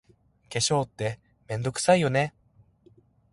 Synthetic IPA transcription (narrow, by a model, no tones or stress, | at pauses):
ke̞ɕo̞ːt̪ːe̞ | mẽ̞nd̪o̞kɯ̟̥saijo̞ne̞